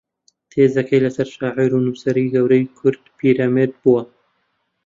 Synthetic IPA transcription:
t̪ʰeːzɐkʰɐjlɐsɐɾʃaːʕiɾunuːsɐɾiɡɐwɾɐjkʰʊɾd̪̥pʰiːɾaːmed̪̚buwɐ

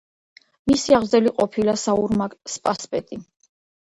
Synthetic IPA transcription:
misiaʁzɛliqʼɔpʰilasauɾmakʼspʼaspʼɛt̪ʼi

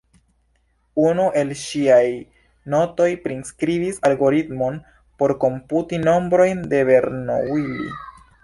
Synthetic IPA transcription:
unuʔe̞lʃiaj | no̞to̞jpɾinskɾibisalɡo̞ɾitmo̞n | po̞ɾko̞mputino̞mbɾo̞jnde̞be̞ɾno̰wilḭ

